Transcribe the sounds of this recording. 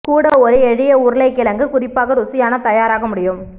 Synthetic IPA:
kuːɽɐɔɾɯɛɻɪjɐʊɾɯlɐɪkːɪlɐŋɡɯkʊrɪpːaːɣɐɾʊsɪjaːnɐt̪ɐjaːɾaːɣɐmʊɽɪjɯm

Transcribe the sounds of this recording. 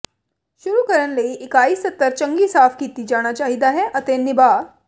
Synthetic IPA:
ʃuɾukəɾəɳləiʔɪkaiːsːət̪ːəɾt͡ʃə̃ŋɡiːsaːfkiːt̪iːd͡ʒaːɽ̃at͡ʃaɦid̪aɦɛʔət̪eniba

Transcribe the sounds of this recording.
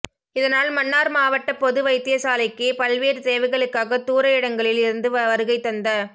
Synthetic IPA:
ɪðɐnaːlmɐnːaːɾmaːʋɐʈːɐpɔðɯʋɐɪt̪ːɪjɐsaːlɐɪkːepɐlʋeːɾt̪eːʋɐɪɣɐɭɯkːaːɣɐt̪uːɾɐɪɽɐŋɡɐɭɪlɪɾɯnd̪ɯʋɐʋɐɾɯɣɐɪt̪ːɐnd̪ɐ

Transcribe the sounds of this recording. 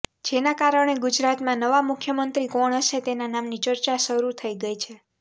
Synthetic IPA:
d͡ʒenakaɾəɳ̃eɡud͡ʒɾat̪mãnəʋamʊkʰjəmənt̪ɾikɔɳ̃əʃet̪enanamnit͡ʃəɾt͡ʃaʃəɾut̪ʰəiɡəjt͡ʃʰe

